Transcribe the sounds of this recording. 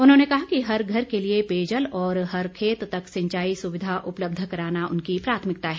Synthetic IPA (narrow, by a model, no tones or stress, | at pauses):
ʊnɦõːnekɐɦakiɦɐɾɡʱɐɾkeliepeːd͡ʒəlɔːɾɦɐɾkʰeːt̪ːɐksɐ̃ɲt͡ʃaːisʊʋɪd̪ʱaʔʊpləb̚d̪ʱkɐɾaːnaʊnkipɾaːt̪ʰmɪk̚t̪aɦɛː